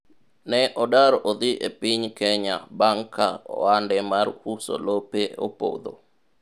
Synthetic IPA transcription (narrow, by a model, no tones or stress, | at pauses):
nɛʔɔdaɾʔod̪ɪʔḛpɪɲkɛɲa̰baŋkʰaɔ̰wandɛmarhuso̰lopeo̰po̰d̪o̰